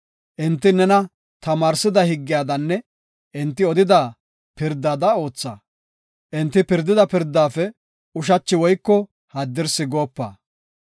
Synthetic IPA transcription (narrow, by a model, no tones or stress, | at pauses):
ʔɪnt̪ːɪnɛnɐ | t̪ɐmaːɾsɪd̪ɐhɪɡːɪjaːd̪ɐnːɛ | ʔɪnt̪ːɪɔd̪ɪd̪ɐ | pɪɾd̪ːaːd̪ɐo̞ːt͡sːɐ̰ | ʔɪnt̪ːɪpɪɾd̪ːɪd̪ɐpɪɾd̪ːaːfɛ | ʊʃ̬ɐt͡ʃːɪwɔjkːɔ | hɐd̪ːɪɾsɪɡo̞ːpːa̰ː